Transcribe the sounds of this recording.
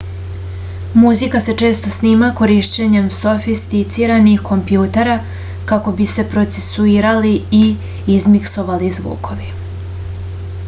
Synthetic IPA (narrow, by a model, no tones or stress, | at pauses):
muzikase̞t͡ʂe̞ːst̪o̞sniːmako̞ɾiʃt͡ɕe̞ɲe̞mso̞fist̪it̪siːɾanixko̞mpjuːt̪e̞ɾa | kako̞bise̞pɾo̞t̪se̞suiːɾaliiː | zmikso̞ʋalizʋṵːkʰo̞ʋi